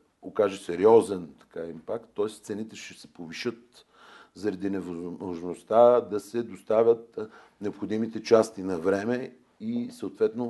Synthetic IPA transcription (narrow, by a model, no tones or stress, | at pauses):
okaʒɛsɛɾiɔzɛnt̪ɐ̥kaimpakt̪ːɔɛst̪sɛnit̪ɛʃt̪ɛsɛ̥poviʃɤt̪̚ | zɐɾɐd̪inɛvooʒnost̪ad̪ɐsɛd̪ost̪avʲət̪ | nɛopxod̪imit̪ɛt͡ʃast̪inɐvɾɛmɛ | isəot̪vɛt̪no